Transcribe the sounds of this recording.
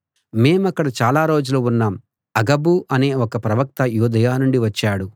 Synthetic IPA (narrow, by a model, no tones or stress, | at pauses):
me̞ːmɐkːɐɽɐt͡ʃaːlaːɾo̞ːd͡ʒulounːaːm | ɐɡɐbuʔɐne̞ːɔkɐpɾɐʋɐk̚t̪ɐjuːd̪ɐjaːnuɳɖiʋɐt͡ʃːaːɽu